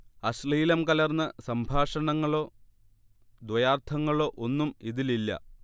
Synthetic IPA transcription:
ɐɕliːlɐmkɐlɐrnːɐsɐmbʱaːʂɐɳɐŋːɐɭo̞ː | d̪wɐjaːrt̪ʰɐŋːɐɭo̞ːʔonːumiðililːɐ̰

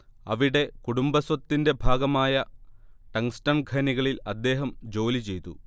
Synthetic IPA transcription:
ɐ̰ʋiɽe̞kuɽumbɐswɐt̪ːinde̞bʱaːɡɐmaːjɐʈɐŋstɐnɡʱɐniɣɐɭilɐd̪ːe̞ːɦɐmd͡ʑo̞ːlit͡ɕe̞jt̪ṵ

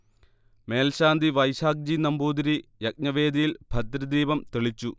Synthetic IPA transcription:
me̞ːlɕaːnd̪ʱiʋɐjɕaːk̚d͡ʑinɐmbuːd̪ɾijɐk̚ɲɐʋe̞ːd̪ijilb̥ʱɐt̪ɾɐd̪iːbɐmt̪eɭit͡ɕːu

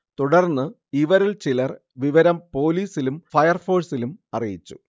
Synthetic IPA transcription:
t̪uɽɐrnːɨ | iʋɐɾilt͡ɕilɐr | ʋiʋɐɾɐmpo̞ːliːsilumfɐjɐrfo̞ːsilumɐrijḭt͡ɕːu̥̰

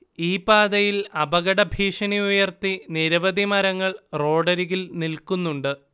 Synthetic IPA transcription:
iːpaːd̪ɐjilɐbɐɣɐɽɐbʱiːʂɐniujɐrt̪iniɾɐʋɐðimɐɾɐŋːɐɭro̞ːɖɐɾiɣilnilkunːuɳɖɨ

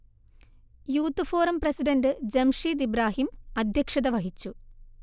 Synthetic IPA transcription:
juːt̪ːɨfo̞ːɾɐmprɐsiɖɐnɖɨd͡ʑɐmʂiːt̪̬ibɾaːɦimɐd̪ʱjɐkʂɐðɐʋɐɦit͡ɕːu

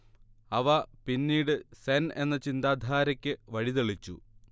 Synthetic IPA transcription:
ɐʋɐpinːiːɽɨsene̞nːɐt͡ɕind̪aːd̪ʱaːɾɐkʲːɨʋɐɻit̪eɭit͡ɕːṵ

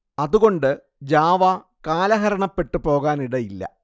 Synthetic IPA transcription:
ɐðuɣo̞ɳɖɨ | d͡ʑaːʋɐ | kaːlɐɦɐɾɐɳɐpːe̞ʈːɨpo̞ːɣaːniɽɐjilːɐ̰

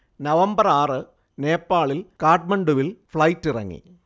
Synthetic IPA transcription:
nɐʋɐmbɐraːrɨ | ne̞ːpːaːɭilkaːʈ̚mɐɳɖuʋilfɭɐjtːirɐŋːḭ

